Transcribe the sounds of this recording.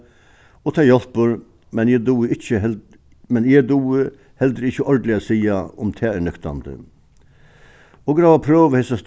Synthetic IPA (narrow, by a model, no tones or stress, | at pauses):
ɔt̪ʰɑːjɔlpəɾ | mɛnjɛd̪uːəɪçə | mɛnjɛd̪uːə | hɛld̪ɾəɪçəʔɔɾɖ̪lɪasiːaʊmt̪ʰɛːæɳʏkt̪a̰nd̪ə̰ | ɔɡɾɑːʋapʰɾøːʋəhɛsast̪